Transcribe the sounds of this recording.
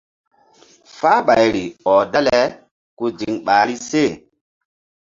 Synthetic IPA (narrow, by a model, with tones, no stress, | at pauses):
faː˦ɓa˨jɾi˨ɔ˨da˦lɛ˨ | ku˦d͡ʒi˨ŋɓaː˨˦ɾi˦se˦˨